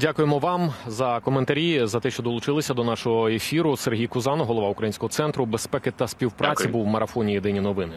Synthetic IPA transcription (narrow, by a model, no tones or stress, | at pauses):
dʲakʊjemɔʋɑmzɐkɔment̪ɐɾʲizɐt̪ɛʃt͡ʃɔd̪ɔlˠʊt͡ʃɪlˠɪsʲɐd̪ɔnɑʃɔɦɔefʲiɾʊserɦʲijkʊzɑnɔɦɔlˠɔʋɑʊkɾɐjinʲsʲkɔɦɔt̪sɛnt̪ɾʊbespɛkɪt̪ɐsʲpʲiwpɾɑt͡sʲibuwmɐɾɐfɔnʲijed̪ɪnʲinɔʋɪnɪ